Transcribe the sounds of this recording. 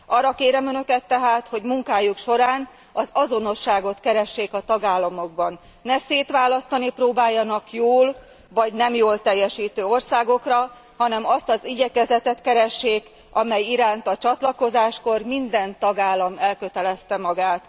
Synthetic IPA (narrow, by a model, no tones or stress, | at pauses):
ɒːrːɒkeːɾɛmønø̞kɛt̪ːɛɦaːt̪ho̞ɟmuŋkaːjukʃo̞ɾaːn | ɒzɒzo̞no̞ʃːaːɡo̞t̪kɛɾɛʃːeːkɒt̪ɒɡaːlːɒmo̞ɡ̚bɒnː | ɛseːt̪ʋaːlɒst̪ɒniproːbaːjːɒnɒkjoːl | vɒɟnɛmjoːlt̪ɛjːɛʃiːt̪øːo̞rsaːɡo̞krɒ | hɒnɛmɒst̪ɒziɟɛkɛzɛt̪ɛt̪kɛɾɛʃːeːk | ɒmɛjiɾaːnt̪ɒt͡ʃɒt̪lɒko̞zaːʃko̞rmind̪ɛnt̪ɒɡaːlːɒmɛlkø̞t̪ɛlɛst̪ɛmɒɡaːt̪